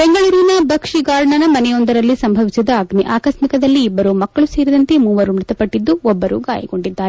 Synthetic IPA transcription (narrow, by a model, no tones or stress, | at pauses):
b̥eŋɡɐɭuːɾinɐbʱɐkʂiɡaːɾɳɐnɐmɐnɛjo̞nd̪ɐɾɐlːisɐmbʱɐʋisid̪ɐɐɡniʔaːkɐʃmikɐd̪ɐlːiːbːɐɾumɐkːɐɭuseːɾid̪ɐnt̪e̞muːʋɐɾumɾut̪ɐpɐʈːid̪ːuɔbːɐɾṵɡa̰ːjɐ̰ɡo̞ɳɖid̪ːaːɾe